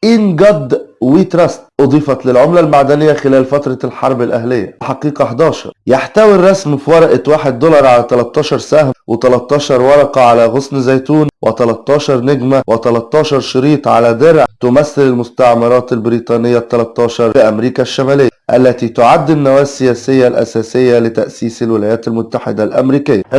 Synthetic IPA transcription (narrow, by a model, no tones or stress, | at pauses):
ʔiːnɡɑd̪ːwiːt̪ɾɑst̪ʔɑd̪ˤiːfɑt̪lɪlʕomlælmaʕd̪ænɪjːæxelæːlfæt̪ɾˤɑlħɑɾˤbɪlʔæhlejːæħɑqiːqɑħd̪ɑːʃɑ̰ɾˤjaħt̪æwirˤːɑsmfiwɑɾˤʔet̪waːħed̪ːolɑɾˤʕalæt̪ælæt̪ˤːɑːʃɑɾˤsæhmwet̪ælɑt̪ˤːɑːʃɑɾˤwɑɾˤɑqɑʕalæɣosnzæjt̪uːnwʔɪt̪ælæt̪ˤːɑːʃɑɾˤneɡmæwɪt̪ælæt̪ˤːɑːʃɑɾˤʃɑɾiːt̪ʕalæd̪eɾʕt̪ʊmæθːɪlɪlmʊst̪ɑʕmɑɾˤɑːt̪ælbɪɾiːt̪ˤɑːnɪjːæt̪ːælæt̪ˤːɑːʃɑɾˤʔæmɾiːkæʃːæmæːlejːʔælːæt̪iːt̪oʕad̪ːɪnːæwæːsːɪjæːsɪjːælʔæ̰sæːsɪjːælɪt̪æʔsiːsælwɪlæːjæːt̪ælmʊt̪ːaħɪd̪ælʔæ̰mɾiːkɪjːæ